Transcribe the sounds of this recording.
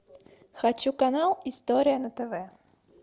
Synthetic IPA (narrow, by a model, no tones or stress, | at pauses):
xat͡ɕukanalˠist̪ɔɾʲijɐnɐt̪ɛvɛ